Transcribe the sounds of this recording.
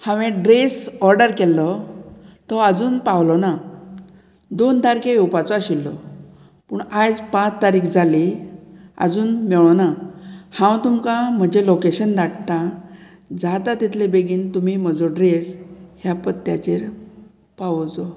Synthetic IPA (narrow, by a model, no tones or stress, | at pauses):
hãʋẽɖɾesɔɾɖəɾkɛlːɔ | t̪ɔəd͡zuːnpawlɔna | d̪ont̪aɾkeuwpat͡sɔaɕilːɔ̰ | puːɳad͡zpãt͡st̪aɾiːkd͡zʱali | ə̰d͡zuːnmɛɭɔnahãwt̪umkam̤əd͡ʑelokeɕənd̪aʈt̪a | d͡zat̪at̪it̪ʰlebeɡiːnt̪umim̤əd͡zɔɖɾesɦjapət̪ːja̰t͡ɕeɾ | paʋd͡zɔ